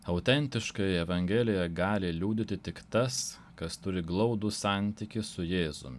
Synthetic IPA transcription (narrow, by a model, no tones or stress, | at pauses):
ɐʊt̪ʲɛnʲt̪ʲɪʃkɐjɛɛʋɐŋʲɡʲɛlʲɪjɛɡɑːlʲɪlʲuːd̪ʲɪt̪ʲɪt̪ʲɪkt̪ɐs | kɐst̪ʊɾʲɪɡlˠɒʊd̪usɑˑnʲt̪ʲikʲɪsʊjeːzʊ̰mʲɪ